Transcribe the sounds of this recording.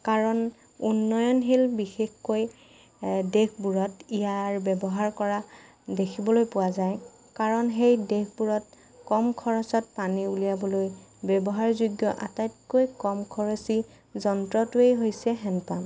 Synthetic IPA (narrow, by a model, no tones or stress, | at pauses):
kaɹɔn | unːɔjɔnɦilbixexkoj | dekʰbuɹɔtijaɹbɛbɔɦaɹkɔɹa | dekʰibɔlojpʊwazaj | kaɹɔnɦejdekbuɹɔt̚ | kɔmkʰɔɹɔsɔt̚paniulijabɔlojbɛbɔɦaɹzuɡjɔʔa̰tajtkojkɔmkʰɔɹɔsi | zɔntɹɔtuejɦojsɛɦɛnpam